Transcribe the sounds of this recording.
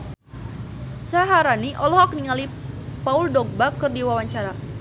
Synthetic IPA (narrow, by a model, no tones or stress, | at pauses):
saɦaɾaniʔɔlɔhakniŋalipauldɔɡ̚bakɨrdiwawaɲt͡ʃaɾa